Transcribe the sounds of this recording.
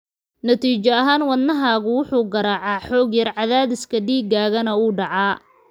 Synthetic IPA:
nɐt̪ʰiːt͡ʃɐɐɦaːnwɐd̪nɐɦaːɣʊwʊħuːɡɐɾaːʕɑːħɔːɡjɐrʕɑðaːðɪskʰɐɖiːɡaːɣɐnɐuːɖɑʕɑː

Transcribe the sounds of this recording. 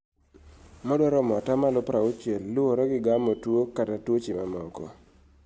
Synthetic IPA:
mɔdɔɾɔmɔtamalʊpɾaot͡ʃelːʊoɾɔɡɪɡamɔtwokatatwot͡ʃɪmamɔkɔ̰

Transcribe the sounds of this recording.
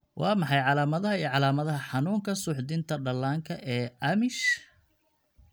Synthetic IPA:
wʔɑːmɑħɑjʕɑlaːmɐðɐɦɐiːʕɑlaːmɐðɐɦɐħɑnuːŋkʰɐsʊħd̪ɪnt̪ʰɐɖɐlaːŋkʰɐʔɛːɐmɪʃ

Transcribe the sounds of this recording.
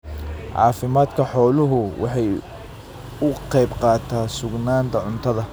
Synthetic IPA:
ʕɑ̰ːfɪmaːd̪kʰɐħɔːlʊɦʊwʔɑ̰ħɑj | ʊqɛjbqɑːt̪ʰaːsʊɡnaːnt̪ʰɐʕʊnt̪ʰɐðɐ

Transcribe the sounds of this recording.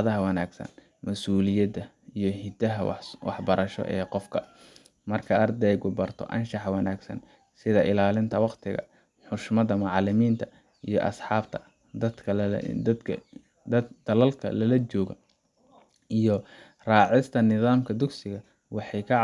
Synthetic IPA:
ðɐɦɐwɑnaːɡsɐ̰n | mɐsuːlɪjɐd̪ɐ | ijɞhɪd̪ɐɦɐwɑ̰ħbɐɾʔɐʃɔ̰ʔɛːqɔfkʰɐ | mɐrkʰɐɐrd̪ɛjɡʊbɐrt̪ʰɔ̰ʔɐnʃɑħwɑnaːɡsɐ̰n | sɪðɐʔɪlaːlɪnt̪ʰɐwɑqt̪ʰɪɣɐ̰ | ħʊʃmɐðɐmʊʕɑlɪmiːnt̪ʰɐ | ijɔʔɐ̰sħɑːbt̪ʰɐ̥ | d̪ɐd̪kʰɐ̰ | d̪ɐd̪̥ɐlɐlkʰɐ̰lɐlɐt͡ʃɔːɣɐ | ijɔ | rɑːʕɪst̪ʰɐnɪðaːmkʰɐd̪ʊɡsɪɣɐ | wɑħɑjkʰɑ

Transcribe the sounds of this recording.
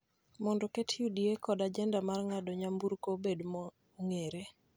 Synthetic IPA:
mɔndɔketʰjudiekɔdad͡ʒɛndamarŋadɔɲambuɾkobedmɔ | ŋeɾe

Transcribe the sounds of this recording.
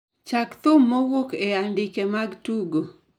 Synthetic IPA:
t͡ʃakt̪ʊmːowokejandɪkemaɡtuɡo

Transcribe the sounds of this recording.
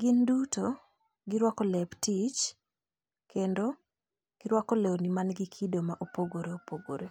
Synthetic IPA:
ɡɪnduto | ɡɪɾwakɔlɛptit͡ʃ | kʰendo | ɡ̥ɪɾwakɔlewnimanɡikʰidomaʔopoɡoɾeopoɡo̰ɾe

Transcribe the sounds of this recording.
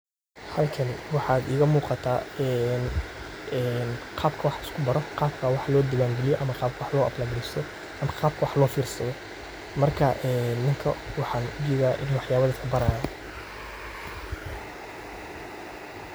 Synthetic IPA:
hɐlkʰɐnwɑħɑːd̪ɪːɣɐmuːqɑt̪ʰaːɛn | ɛːnqʰɑːbkʰɐwɑħɪskʰʊbɐɾɔqɑːb̚kʰawɑħlɔːd̪ɪɣaːŋɡɛlɪjɔʔɐmɐqɑːb̚kʰɐwɑħlɔːʔɐblaːɡɾɛst̪ʰɔ | ʔɐmɐqɑːb̚kʰɐwɑħlɔːfiːrsɐðɔ | mɐrkʰɐʔɛːnːɪŋkʰɐwɑħɑːnʊd͡ʒɛːðaːʔɪ̰nwɑħjaːβɐðɐkʰɐbɐɾaːja

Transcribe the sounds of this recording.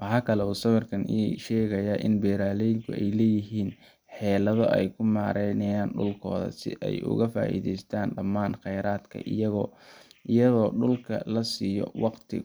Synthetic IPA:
wɑħɑːkʰɐlɛuːsɐβɐrkʰɐniʃɛːɣɐjaːʔɪnbɛːɾaːlɛjɪŋkʰʊʔɛjlɛːjɪɦiːn | ħɛːlɐðɔʔɛjkʰʊmaːɾɛjnɐjaːnɖʊ̰lkʰɔ̰ːðɐ̰sɪ̰ʔɛ̰jʔʊ̰ɣɐfa̰ːʔḭːðɛjst̪ʰaːnɖɐmːaːnχɛjɾaːd̪kʰɐ̰ʔɪ̰jɐɣɔːʔɪjɐɣɔːɖʊlkʰɐ̰lɐsiːjɔ̰wɑqt̪ʰɪ̰

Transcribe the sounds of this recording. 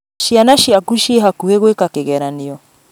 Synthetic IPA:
ʃianaʃiakuʃeɦakuheɣwekakeɣɛɾaneɔ

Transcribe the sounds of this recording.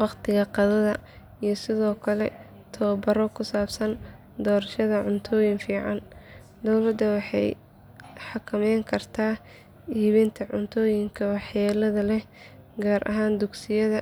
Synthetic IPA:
wɑqt̪ʰɪɣɐqɑðɐðɐ | ijɞsɪðɔːkʰɐlɛ̰ | t̪ʰɔːbɐɾɔkʰʊsaːbsɐn | d̪ɔːɾɐʃɐðɐʕʊnt̪ʰɔːjɪŋfiːʕɑn | d̪ɔwlɐd̪ːɐwɑħɑ̰j | ħɑkʰɐmɛjŋkʰɐrt̪ʰaː | iːβɛnt̪ʰɐʕʊnt̪ʰɔːjɪŋkʰɐwɑħjaːlɐðɐlɛh | ɡaːɾʔɐ̰ɦaːnd̪ʊɡsɪjɐðɐ

